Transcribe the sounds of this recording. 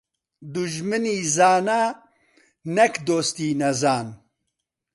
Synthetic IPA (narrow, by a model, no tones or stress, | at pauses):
d̪uʒmɨniːzaːnaː | nɛkd̪oːst̪iːnɐzaːn